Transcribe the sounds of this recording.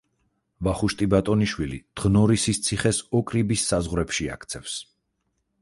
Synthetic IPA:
vaχuʃt̪ʼibat̪ʼɔniʃwilḭd̪̥ʁnɔɾisist̪sʰiχɛsɔkʼɾibisːazʁɾɛpʃia̰kʰt̪sʰɛfs

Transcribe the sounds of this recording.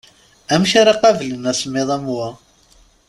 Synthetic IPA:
æmçaɾaqɑvlənæsəmːeðˤæmwæ

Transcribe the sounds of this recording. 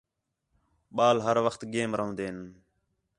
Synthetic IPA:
ɓaːlɦəɾʋəxt̪ɡeːmɾəɦə̃ːd̪eːn

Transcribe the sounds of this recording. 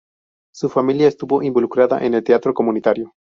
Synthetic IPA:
sufamiljaest̪uβo̞ʔimbo̞lukɾaða̰ʔene̞lt̪eat̪ɾokomunit̪aɾjo

